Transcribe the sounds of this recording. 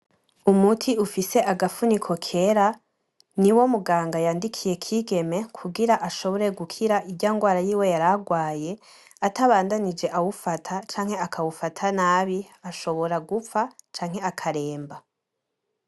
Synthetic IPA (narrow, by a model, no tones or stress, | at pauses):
umutʰiufise̞ʔaɡafunikʰo̞kʰe̞ɾa | niwo̞muɡaːŋɡajaːndikʰije̞kʰiːɡe̞me̞kʰuɡiɾaʔaʃo̞βo̞ɾe̞ɡukʰiɾaʔibɟaŋɡwaːɾajiːwe̞jaɾaɡwaːje̞ | ataβaːndanid͡ʒe̞ʔawufatʰat͡ʃaːŋhe̞akʰawufatʰanaːβiaʃo̞βo̞ɾaɡufat͡ʃaːŋɦe̞akʰaɾe̞ːmba